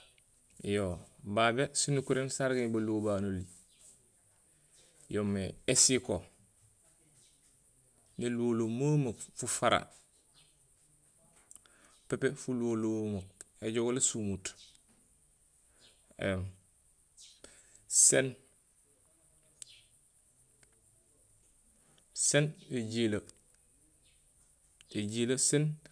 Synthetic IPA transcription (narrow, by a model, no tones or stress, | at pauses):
jobabesinukuɾensaɾɡebalobaːnoli | jomeesiko | niluolomoməkfufaɾa̰ | pepefuluolomək̚ | eɟoɡolesumut | ḛ | sen | seneɟila | eɟilasen